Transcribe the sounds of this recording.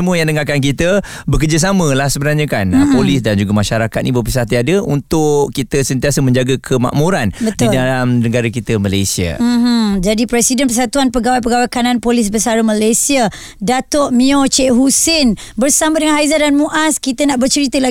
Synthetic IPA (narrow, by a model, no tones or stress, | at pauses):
əmuəjãŋdəŋakank̬it̪ə | bəkərd͡ʒas̬amə̃lahsəbənaɲãkanpolis̬dand͡ʒuɡamãʃaɾakat̪̚nibəpəsat̪iadəunt̪ʊʔkit̪əsənt̪iasəmə̃ɲd͡ʒaɡakʰəma̰ʔmũɾanbət̪idalamnəɡaɾakit̪əmalajsia̰ɦ̩d͡ʒadipɾɛsidənpərsat̪uanpəɡawajp̬əɡawajkanãnpolis̬bəsaɾəmalasia | dat̪ɔʔmĩot͡ʃeʔɦusɛnbərsamə̃dəŋanɦajzadanmuʔaskit̪ənaʔbərt͡ʃəɾit̪əla